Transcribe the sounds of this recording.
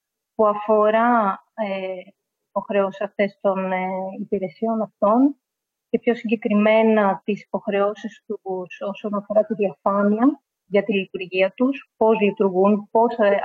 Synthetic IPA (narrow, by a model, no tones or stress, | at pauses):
puɐfo̞ɾɐ | e | ipo̞xɾeo̞si̥sɐft̪e̞st̪o̞neipiɾe̞sio̞nɐft̪o̞n | ce̞pço̞siɲɟe̞kɾime̞nɐt̪isi̥po̞xɾe̞o̞sist̪uuso̞so̞nɐfo̞ɾɐt̪iðiɐfɐniɐ | ʝɐt̪ilit̪uɾʝiɐt̪uspo̞zlit̪uɾɣunpo̞s